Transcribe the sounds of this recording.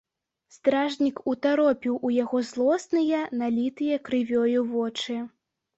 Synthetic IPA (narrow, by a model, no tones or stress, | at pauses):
st̪ɾaʐnʲikut̪aɾɔpʲiwʔujaɣɔzlˠɔsnɨjɐnalʲit̪ɨjɐkɾɨvʲɔjuvɔt͡ʂɨ